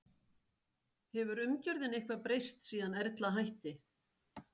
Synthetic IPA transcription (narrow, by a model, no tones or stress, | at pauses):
hɛvʏɾʏmcœɾðɪnejhkvapɾejst̪siːðanɛɾt̪laɦajht̪ɪ